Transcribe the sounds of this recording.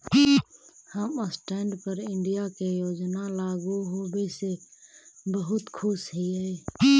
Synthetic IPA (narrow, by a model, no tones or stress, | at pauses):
həməsʈɛɳɖpəɾɪɳɖijakejoːd͡ʒnalaɡuɦobese | bəɦʊt̪kʰusɦiəi